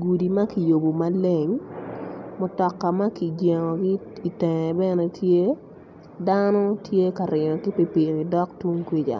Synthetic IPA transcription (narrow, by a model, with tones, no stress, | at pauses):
ɡu˨di˨ma˦ki˨jo˨bo˨ma˦le˨ŋ | mʊ˨tɔ˨kːa˨ma˦ki˨ɡje˨ŋɔ˨ɡɪ˦i˨tɛ˨ŋɛ˨bɛ˦nɛ˦tʰje˦ | danɔ˦tʰje˦ka˨ɾɪ˨ɲɔ˨ki˦pi˦pi˨ɾi˨dɔ˦ktwu˦ŋkwi˦d͡ʒa̰˨